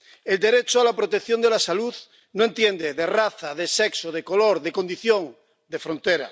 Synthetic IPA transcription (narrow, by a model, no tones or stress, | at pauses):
eld̪e̞ɾet͡ʃoalapɾot̪ekθjo̞nd̪elasaluð | noe̞nt̪jend̪eðeraθaðeseksoð̞ekoloɾðeko̞nd̪iθjõ̞ŋ | d̪efɾo̞nt̪eɾa̰